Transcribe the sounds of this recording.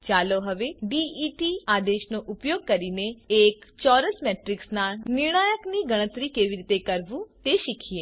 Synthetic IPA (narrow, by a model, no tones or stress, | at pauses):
t͡ʃaːloɦɐʋeɖiiʈiaːd̪eːʃnoʔʊpjoːɡ̚kɐɾineeːkt͡ʃɔːɾəsmɛːʈɾɪksnanɪɾɳ̃aːjəkniɡəɽ̃ə̃t̪ɾikeːʋiɾit̪ekəɾʋũt̪eːʃɪkʰieː